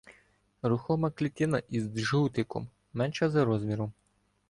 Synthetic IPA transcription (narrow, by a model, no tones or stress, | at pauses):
ɾʊxɔmɐklʲit̪ʲɪnɐʔizd̪ʒuwt̪ɪkɔ̰mː | ɛnʃɛzɐɾɔzmʲiɾɔm